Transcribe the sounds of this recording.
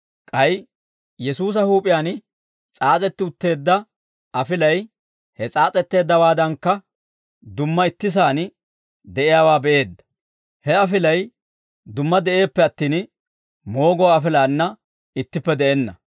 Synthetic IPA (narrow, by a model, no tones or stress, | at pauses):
kʼɐj | jɛsuːs̬ɐhuːpʼɪjaːn | t͡sʼaːt͡sʼɛt̪ːɪʊt̪ːe̞ːd̪ːɐ | ɐfɪlɐj | hɛt͡sʼaːt͡sʼɛt̪ːe̞ːd̪ːɐwaːd̪ɐŋkːɐ | d̪ʊmːɐɪt̪ːɪs̬aːn | d̪ɛʔɪjaːwaːbɛʔe̞ːd̪ːɐ̥ | hɛɐfɪlɐj | d̪ʊmːɐd̪ɛʔe̞ːpːɛɐt̪ːiːn | mo̞ːɡɔwaːfɪlaːnːɐ | ɪt̪ːɪpːɛd̪ɛʔɛnːɐ